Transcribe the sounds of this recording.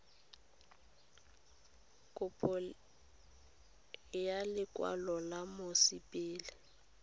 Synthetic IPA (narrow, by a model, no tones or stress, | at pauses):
kʼʊpʰʼɔ | jalɪkʼwa̰lɔlamʊsipʼɪːlɪ